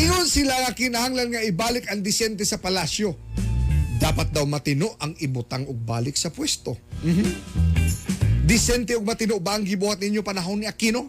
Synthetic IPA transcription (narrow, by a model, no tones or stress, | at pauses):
ʔɪŋonsɪlaŋɐkɪnɐhaŋlanŋɐʔɪbaːlɪkɐŋd̪ɪsɛnt̪ɛsɐpɐlasjo̞ | d̪aːpɐt̪̚d̪awmɐt̪ɪno̞ʔɐŋɪbʊt̪aŋoɡ̚ba̰ːlɪk̚sɐpwɛst̪o̞m̩h | d̪ɪsɛnt̪ɛʊɡ̚mɐt̪ɪnoʔbaɐŋɡɪbuːhat̪̚nɪɲjo̞pɐnɐɦo̞nːɪʔɐkino̞